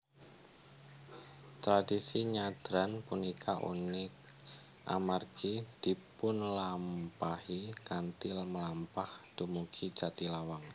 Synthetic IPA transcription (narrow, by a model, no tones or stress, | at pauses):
t̪ɾadisiɲad̪̥ɾanpunikʰaʔṵnɪk̚ | ʔa̰marɡid̥i̤pʊnlampahikant̪ɪlməlampahd̪̥umuɡ̥ʰid͡ʒat̪ilawaŋ